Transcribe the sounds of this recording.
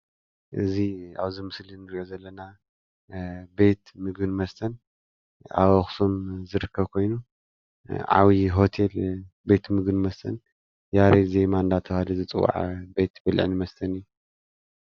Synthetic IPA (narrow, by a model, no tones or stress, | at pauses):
ʔɨ̰zia̰βzimɨslinɨɾʔozɐlːɐna | be̞t̪mɨɡɨnmɐst̪ʰɐn | a̰βoxsomzɨɾɨkʰːɐβkʰo̞jnu | ʕa̰wiɦo̞t̪ʰe̞l | be̞t̪mɨɡɨnmɐst̪ʰɐn | jaɾeze̞mand̪at̪ʰɐβhalizɨt͡sʼɨwːa̰ʕbe̞t̪bɨlʕnɨmɐst̪ʰɐnɨjːu